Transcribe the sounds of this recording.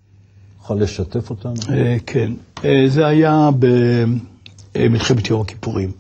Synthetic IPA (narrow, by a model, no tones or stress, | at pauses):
juχalːeʃat̪efot̪anekʰenezeajabe | milχemet̪jomaki̥puʁim